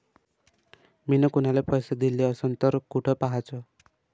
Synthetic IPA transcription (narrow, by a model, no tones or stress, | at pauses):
minɔkunalepɔjsad̪ileɔsɔnt̪ɔɾkuʈʰɔpaɦat͡sʰɔ